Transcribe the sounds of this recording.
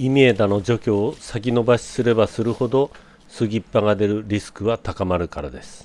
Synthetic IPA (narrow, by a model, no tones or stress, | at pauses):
imʲeed̪ano̞d͡ʑo̞kʲo̞ːsakʲino̞baɕi̥sɨɾe̞basɨɾɯ̟ho̞d̪o̞ | sɨɡʲipːaɡad̪e̞ɾɯ̟ɾʲisɨ̥kɯ̟βat̪akamaɾɯ̟kaɾa̰d̪e̞sɨ̥